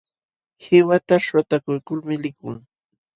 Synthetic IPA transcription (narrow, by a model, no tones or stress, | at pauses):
hɪwat̪aʃwat̪akʊjkʊlmɪlɪkʊ̰ŋ